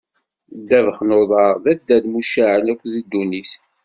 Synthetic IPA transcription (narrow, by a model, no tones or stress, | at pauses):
d̪ːævəχnoðˤɑɾðæd̪ːæd̪muʃaʕənækʷːðid̪ːuniθ